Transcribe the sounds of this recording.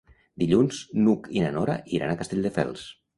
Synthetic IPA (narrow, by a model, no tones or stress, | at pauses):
d̪iʎunznukinanoɾa̰ʔiɾa̰nakast̪eʎʲd̪əfɛ̰lˠs